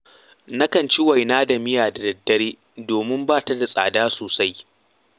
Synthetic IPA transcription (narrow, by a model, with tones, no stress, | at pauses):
nɐ˦kɐ˨nt͡ʃi˦wa˨jnaː˦da˨mɪ˦jaː˨da˨dɐ˨dːɐ˦ɾeː˦ | doː˨mɪ˦mbaː˦ta˦da˨sʼa̰ː˨daː˦soː˨sa˦j